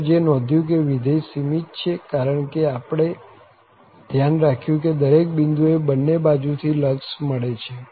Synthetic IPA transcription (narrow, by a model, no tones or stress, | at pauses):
d͡ʒenɔd̪ʱjũk̬eʋid̪ejsimit̪t͡ʃʰekaɾəɳkeapɽ̃e | d̪ʱjanɾakʰjũk̬ed̪əɾek̚bind̪uebənːebad͡ʒut̪ʰiləksməɭet͡ʃʰe